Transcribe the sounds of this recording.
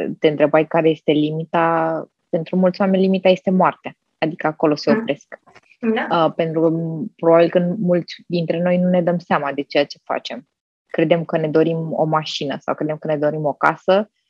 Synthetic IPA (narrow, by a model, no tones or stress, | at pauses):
t̪e̞ɨnt̪ɾe̞bajkaɾe̞je̞st̪e̞limit̪a | pe̞nt̪ɾumult̪sʲwame̞nʲlimit̪aje̞st̪e̞moart̪ea | ad̪ikəako̞lo̞seopɾe̞sk | pe̞nt̪ɾukəpɾobabilkɨnmult̪sʲd̪int̪ɾe̞no̞jnune̞d̪əmseamad̪e̞t͡ʃe̞jat͡ʃe̞fa̰t͡ʃe̞m | kɾe̞d̪e̞mkəne̞d̪o̞ɾimo̞̰maʃinəsa̰wkɾed̪emkəne̞d̪o̞ɾimo̞kasə